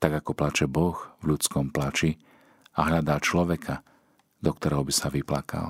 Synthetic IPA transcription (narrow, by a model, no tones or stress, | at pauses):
t̪aɡakɔplat͡ʃɛbɔxʋʎut͡skɔmplat͡ʃi | aɦʎad̪aːt͡ʃlɔʋɛkʰa | d̪ɔk̚t̪ɔɾɛːɦɔbisaʋiplakʰa̰l